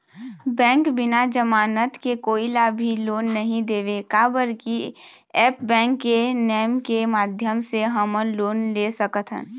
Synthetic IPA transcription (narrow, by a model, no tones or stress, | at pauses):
bɛ̃ːŋkbɪnad͡ʒəmaːnət̪kekoːilaːbʱiloːnːəɦĩd̪eːʋekaːbəɾki | ɛːpbɛ̃ːŋkːenɛːmkemaːd̪ʱjəmseɦəməloːnlesəkət̪ʰɦə̰̃